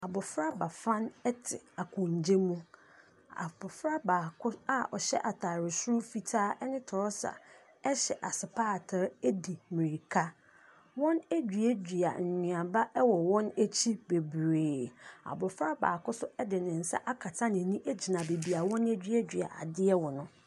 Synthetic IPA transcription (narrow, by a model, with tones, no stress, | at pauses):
a˨bʊ˨fɾa˦ba˨fã˦nɛ˦tʰɪ̰˨a˨kʰʊ̃˨ɲ˨d͡ʑe˦mũ˦ | a̰˨bʊ˨fɾa˦baː˨kʰʊ˦a˦ɔ˨ɕɛ̰˦ʔa˨tʰaː˨ɾɪ˨sʊ˦ɾʊ˦fi˨tʰaː˦ʔɛ˦nɪ̃˦tʰɔ˨ɾɔ˦sa̰˨ | ɛ˦ɕɛ˨ʔa˨sɪ˨pʰaː˦˨tʰa˨˦ɾæ˦di˨mĩ˨ɾi˨kʰa˦ | wɔ̃˦næ˦d͡ʑᶣi˨e˦d͡ʑᶣi˨a̰˨ɲ̩˨ɲɪ̃˨ã˨ba˦ʔɛ˦wɔ˨wɔ̃˦næ˦t͡ɕʰi˦be˨bɾeː˨a̰˨bʊ˨fɾa˦ba̰ː˨kʊ˦sʊ˦ɛ˦dɪ˨nɪ̃˨n̩˨sa̰˦ʔa˦kʰa˨tʰa˦n˨ẽ˨nĩ˦ʔæ˦d͡ʑi˨nã˨be˨bi˨a˨wɔ̃˦nɛ˦d͡ʑᶣɥɛ˦d͡ʑᶣi˨a̰˨ʔa̰˨dɪ˦ɛ˦wɔ˨nʊ̃˦